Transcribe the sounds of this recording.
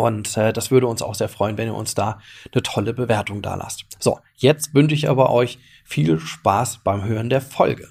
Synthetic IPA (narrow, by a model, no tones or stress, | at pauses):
ʔʊntɛːd̥asv̥ʏɐɾəʊnsa̰ʊxz̥eːɐfʁ̥ɔʏənvɛniːɐʔʊ̰nsd̥aːnətʰɔləbəveːɐtʊŋda̰ːlʔa̰stz̥o̰ː | jɛt͡stvʏnʃəɪçʔa̰ːbɐʔɔʏç | fiːlʃpaːsb̥aɪmɦøːʁəndeːɐfɔlɡə̰